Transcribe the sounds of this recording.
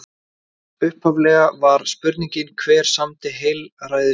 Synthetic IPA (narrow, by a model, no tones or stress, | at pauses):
ʏhphavlɛːɣavaɾ̥spʏɾt̪niɲcɪnkʰvɛːɾ̥samt̪ɪɦejlraːjðɪ